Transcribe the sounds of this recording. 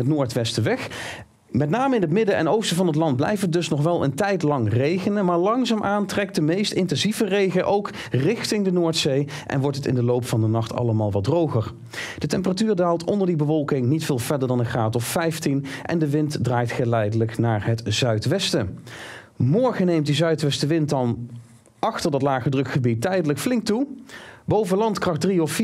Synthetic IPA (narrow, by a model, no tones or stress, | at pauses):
ətnoːɹtʋɛstəʋɛχ | mɛtnaːməɪnɦətmɪdəʔɛ̰nowstəvɑnɦətlɑnt̚blɛ̰jfədɵsnɔχʋɛlˠə̰ntɛjtlɑŋrejχənəmaːɹlɑŋzaːmʔaːntrɛk̚tdəmejstɪntɛnzivərejχəʔowk | rɪχtɪŋdənoːɹtsej | ʔɛ̰nʋɔɹtətɪ̰ndəlowpfɑndənɑχtʰɑ̰ləmaːlˠʋɑt̚drowχəɹ | d̥ətɛmp̬əratyːɹdaːlˠtɔndəɹdibəʋɔlˠkɪŋnitfɪːlˠv̥ɛɹdəɹdɑnəχaːtɔfːɛjftinʔɛ̰ndəʋɪntdraːjtχəlɛjdələknaːɹɦətz̥œɥtʋɛstə | mɔɹχənejmt̚dizœɥtʋɛstəʋɪntdɑn | ʔɑχtəɹdɑtlaːχədrɵkχəbitːɛjdələkflɪŋk̚tubowvəlɑntkrɑχdriɔf